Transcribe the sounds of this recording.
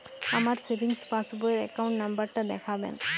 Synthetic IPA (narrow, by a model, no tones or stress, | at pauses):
amaɾsebiŋspasboleɾɛkawɳʈnambaɾʈad̪ɛkʰabḛn